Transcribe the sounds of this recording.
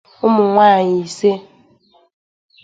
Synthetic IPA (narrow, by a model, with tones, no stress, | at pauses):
ʊ˦mʊ˨ŋʷaː˦˨ɲi˨i˨se˦